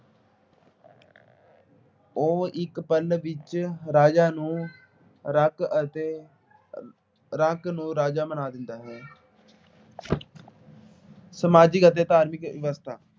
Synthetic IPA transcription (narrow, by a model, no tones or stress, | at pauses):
oːʔɪkpəlʋɪt͡ʃɾaːd͡ʒaːnũː | ɾəkət̪eː | ɾaknũːɾaːd͡ʒaːmənaːd̪ɪnd̪aːɦɛː | səmaːd͡ʒikət̪ːeːt̪aːɾmɪkʋɪʋəst̪ʰaː